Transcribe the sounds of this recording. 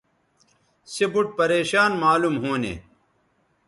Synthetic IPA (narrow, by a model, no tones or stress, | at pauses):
sebuʈ̚pɐɾeːɕaːnmaːlumɦoːnḛ